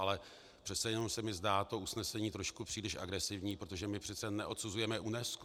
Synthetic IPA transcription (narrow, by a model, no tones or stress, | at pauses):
alɛ | pr̝̥ɛt̪t͡sɛjɛnomsɛmɪzdaːt̪o̞usnɛsɛɲiːt̪ɾo̞ʃkupr̥iːlɪʃʔa̰ɡɾɛsɪvɲiːpɾot̪o̞ʒɛmɪpr̥ɛt̪t͡sɛnɛʔo̞t̪suzujɛmɛʔunɛsk